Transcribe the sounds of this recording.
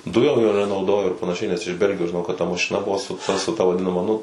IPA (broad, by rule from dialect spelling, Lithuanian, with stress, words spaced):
ˈdʊjoːm joː nʲɛnɐʊˈdoːjoː ɪr pɐnɐˈʃʲɛɪ nʲɛs ɪʃ ˈbʲɛlʲɡʲɪjoːs ʒʲɪˈnɐʊ kɐt tɐ mɐʃʲɪˈnɐ ˈbʊʋoː sʊ ˈtɐ sʊ ˈtɐ ʋɐˈdʲɪnɐmɐ ˈnʊ